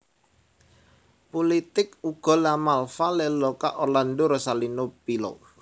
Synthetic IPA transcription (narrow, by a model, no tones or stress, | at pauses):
polit̪ɪkuɡ̥ɔ̤lamalfaleloka̰ʔolandoɾosalinopilo̰